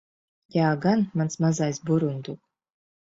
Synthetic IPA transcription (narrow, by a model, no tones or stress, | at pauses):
jaːɡanmansmazaːjzbuɾund̪ukʼ